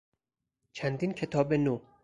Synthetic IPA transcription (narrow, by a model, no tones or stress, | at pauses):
t͡ʃʰænd̪iːncʰe̞t̪ʰɒːbenoː